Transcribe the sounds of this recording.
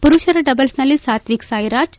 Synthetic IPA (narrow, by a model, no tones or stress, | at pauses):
puɾuɕɐɾɐɖəbəlsnalisat̪ʋiksajɾad͡ʒ